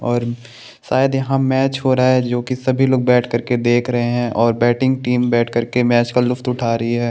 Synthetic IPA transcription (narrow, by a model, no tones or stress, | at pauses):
ɔːɾ | saːjd̪jɐɦãmɛːt͡ʃɦoːɾaaɦɛd͡ʒoːkisɐbʱiloːɡ̚bɛːʈʰkɐɾked̪eːkʰɾɐɦeɦɛ̃ʔɔːɾbɛːʈɪ̃ŋɡ̚ʈiːmbɛːʈʰkɐɾkemɛːt͡ʃkalʊft̪ʊʈʰaːɾɐɦiɦɛː